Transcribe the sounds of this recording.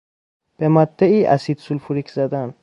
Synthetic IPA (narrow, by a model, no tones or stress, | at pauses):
b̥emad̪ːæiːʔæ̰sid̪sulpʰuɾikʰzæd̪æn